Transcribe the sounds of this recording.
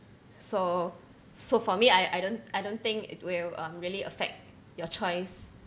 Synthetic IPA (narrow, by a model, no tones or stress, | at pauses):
so | sofɔmiajʔa̰jdõnajdõnt̪ɪ̃ŋkɪ̰twɪlʌ̃mɹiəliə̰fɛ̰k̚t̚ | jɔt͡ʃɔɪs